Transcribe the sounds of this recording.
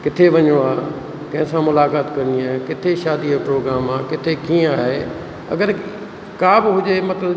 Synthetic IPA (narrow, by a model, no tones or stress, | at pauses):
kɪt̪ʰeʋɐɲoaː | kɐ̃ɦɪ̃sãmʊlaːkaːt̪kɐɾnd̪iaːɦekɪt̪ʰeʃaːd̪iopɾoːɡɾaːmaːkɪt̪ʰekĩːaːɦe | ɐ̰ɡəɾ | kaːbɪɦʊd͡ʑemɐt̪ləb